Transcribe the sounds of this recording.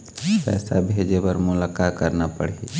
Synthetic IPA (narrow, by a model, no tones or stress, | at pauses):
pɛ̰ːsa̰bʱeːd͡ʒepəɾmʊlaːkakəɾnapəɽ̤e